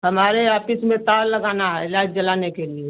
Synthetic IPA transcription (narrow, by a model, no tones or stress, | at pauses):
ɦəmaːɾeaːpɪsmẽt̪aːlləɡaːnaɦɛlaːd͡ʒəlaːnekelie